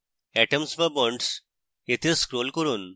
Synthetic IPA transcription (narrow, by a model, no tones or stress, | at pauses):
ɛʈəmsbɐbɔɳɖs | et̪ʰeskɾolkɔɾuːn